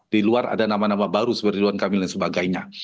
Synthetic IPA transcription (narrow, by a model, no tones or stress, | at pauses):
d̥iluara̰danamanamabaɾusəbəriduankamilaŋsəbaɡajɲa